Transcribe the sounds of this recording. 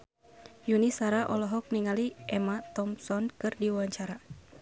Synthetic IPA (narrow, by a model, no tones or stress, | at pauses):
junisaɾaʔɔlɔɦɔk̚niŋaliɛmat̪ɔmsɔnkɨrdiwaɲt͡ʃaɾa